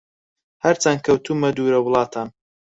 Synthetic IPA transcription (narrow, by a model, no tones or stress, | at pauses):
hɐɾt͡sankʰɐwt̪ʰumɐd̪uːɾɐwʊlˠɑːt̪ʰaːn